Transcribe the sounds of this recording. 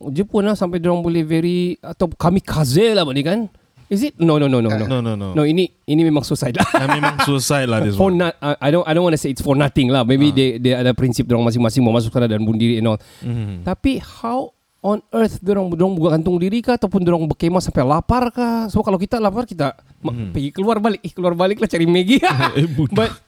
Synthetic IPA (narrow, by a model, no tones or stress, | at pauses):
d͡ʒəpʊnlahsampajdoɾaŋbolɛhvɛɾiat̪awkamikʰazelahbaʔnikan | izit̚nononononononononoini | inimemaŋsusajt̪̚laamemaŋsusajtladisfɔnaaʔajdonʔajdõnwɔntuseːtsfɔrnat̪ɪŋlahmebidedeadapɾinsɪp̚doɾaŋmas̬ɪŋmasɪŋbəmas̬ʊksanadanbʊndiɾiɛnɔl | t̪apihaw | ɔnərt̪doɾaŋdoɾaŋbuɡaɡant̪ʊŋdiɾikat̪awpʊndoɾaŋbəkemasampajlaparkasəmokalawkit̪alaparkit̪a | mpəɡikəluarbalɪk̚kəluarbalɪklaht͡ʃaɾimeɡibubat̪